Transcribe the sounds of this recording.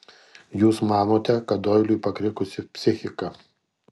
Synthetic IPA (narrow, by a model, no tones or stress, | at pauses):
juːsmɑːnoːt̪ʲɛkɐt̪d̪oːɪlʲʊɪpɐkɾʲɪkʊsʲɪpʲsʲɪxʲɪkɐ